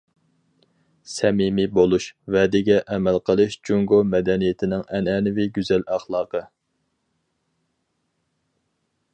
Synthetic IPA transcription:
sɛmimibolˠuʃvɛd̪ɪɡʲɛʔɛmælqʰəlˠɨʃd͡ʒuŋɡomɛd̪ɛnijet̪ʰɪnɪŋɛnɛnɪviɡʲyzɛlæχlˠɑːqə

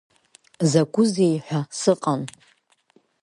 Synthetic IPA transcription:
zakʷʼʊzejħʷᶣasɨqʼan

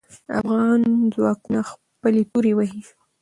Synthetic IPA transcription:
a̰fɣɑnzwɑkunax | pəlet̪uɾewaɦi

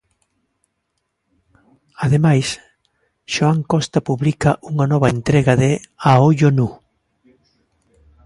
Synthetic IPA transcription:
aðemajs | ʃoaŋkɔst̪ɐpuβlikɐʔuŋɐnɔβɐent̪ɾɛɣɐðɪaoʎonu

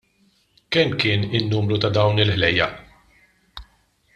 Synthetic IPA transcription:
kɛmːkɪːnɪnːuːmɾut̪ɐd̪ɐwnɪlħlɛjːɐ̰

